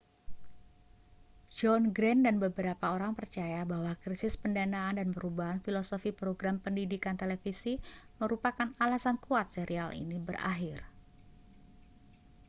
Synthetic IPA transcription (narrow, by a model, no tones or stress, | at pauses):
d͡ʒɔnɡɾɛndanbəbəɾapaoɾaŋpərt͡ʃajabaɦwakɾisɪspəndanaːndanpəɾubaɦanfilosofipɾoɡɾampəndidikant̪elefisiməɾupakanalasankuat̪̚seɾialḭnibəra̰ɦɪr